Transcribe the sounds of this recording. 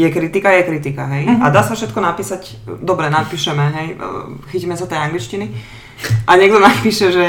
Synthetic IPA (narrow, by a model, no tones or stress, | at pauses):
jɛkɾit̪ikajɛkɾit̪ikaɦɛjad̪aːsafʃɛt̪kɔnapiːsac | d̪ɔbɾɛnapiːʃɛmɛɦɛj̰xiciːmɛsat̪ɛjaŋɡlit͡ʃcini | ʔaɲɛɡd̪ɔnapiːʃɛʒɛ